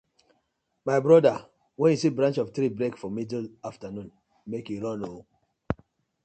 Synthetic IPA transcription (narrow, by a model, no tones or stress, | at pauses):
maɪbɹɔda | wɛ̃njusibɹãnt͡ʃɔftɾibɹekfɔmidlaftanũn | mekjuɹɔ̃no